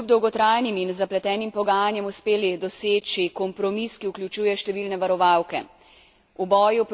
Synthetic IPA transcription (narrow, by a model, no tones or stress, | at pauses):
ub̚d̪ɔwɡɔt̪ɾajniminzaplɛt̪ɛːnimpɔɡaːjanjɛmuspeːlid̪ɔseːt͡ʃikɔmpɾɔmiskiuklʲut͡ʃuːjɛʃt̪ɛʋiːlnɛʋaɾɔʋawkɛ̰ | ubɔːjup